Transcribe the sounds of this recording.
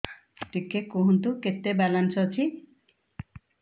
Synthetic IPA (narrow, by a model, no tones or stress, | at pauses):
ʈikekoɦunt̪uket̪ebalansɔt͡ʃʰi